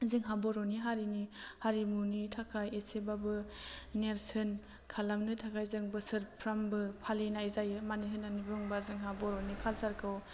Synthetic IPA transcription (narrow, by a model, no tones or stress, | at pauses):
zɯŋɦabɔɾɔniɦaɾinihaɾimunitʰakʰajesebabɯneɾsɯn | kʰalamnɯtʰakʰajzɯŋbɯsɯɾpʰɾambɯpʰalinajzajɯmaniɦɯnanibɯŋbazɯŋɦabɔɾɔnikʰalsaɾkʰɯw